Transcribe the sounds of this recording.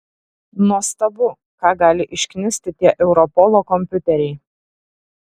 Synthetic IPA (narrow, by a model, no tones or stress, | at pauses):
nuɔst̪ɐbʊ | kɑːɡɑːlʲɪʔɪʃʲkʲnʲɪsʲt̪ʲɪt̪ʲiɛʔɛʊɾɔpɔlˠoːkɔmʲpʲʊt̪ʲɛɾʲɛɪ